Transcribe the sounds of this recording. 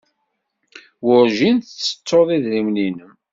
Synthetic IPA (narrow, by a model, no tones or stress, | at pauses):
wʊɾʒinθt͡sːə̥t͡sːoðˤiðɾimlinəm